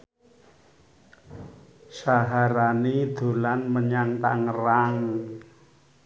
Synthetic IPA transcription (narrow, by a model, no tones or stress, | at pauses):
saɦaɾanid̪̥o̤lanməɲaŋt̪a̰ŋəɾaŋ